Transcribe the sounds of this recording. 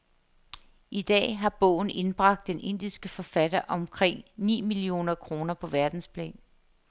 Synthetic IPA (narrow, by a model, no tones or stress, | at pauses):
id̥ɛ̰ːɦɑ̈b̥ɔ̰̽ːʊn̩e̝nb̥ʁɑ̈ɡ̥̚d̥enʔe̝n̰d̥isɡ̥əfɒ̽fæd̥ɐʔɒ̽mkʰʁeŋ̰nḭːmilio̝̰ːnɐkʰʁo̝ːnɐpʰɒ̽ʋæɐd̥n̩spʰlɛ̰ːn